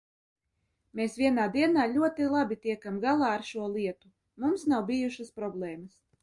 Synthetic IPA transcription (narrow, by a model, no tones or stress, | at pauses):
meːsvʲiɛnaːd̪iɛnaːlʲuɔt̪ilˠabʲit̪iɛkamɡalˠaːaɾʃuɔlˠiɛt̪u | mumsnawbijuʃaspɾɔblˠɛːməs